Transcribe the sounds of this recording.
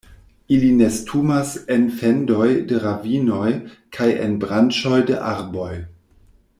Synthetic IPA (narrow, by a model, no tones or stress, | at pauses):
iline̞stʰumasenfendo̞jdeɾavino̞jkʰajḛnbɾant͡ʃo̞jdeʔaɾbo̞j